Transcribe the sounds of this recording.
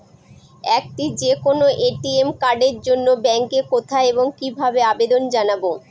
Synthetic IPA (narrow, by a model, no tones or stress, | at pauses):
ɛk̚ʈid͡ʑekonoʔeʈiemkaɾɖeɾd͡ʑonːobɛŋkekot̪ʰaeboŋkibʱabeabed̪ond͡ʑanabo